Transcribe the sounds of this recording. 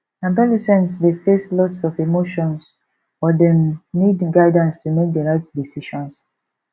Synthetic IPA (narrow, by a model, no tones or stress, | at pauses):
ãbɔlisɛ̃nsdefeslɔtsɔvemoʃɔ̃ns | ɔdɛ̃mnidɡaɪdãnstʰumek̚dəɹaɪtdisiʃɔ̃ns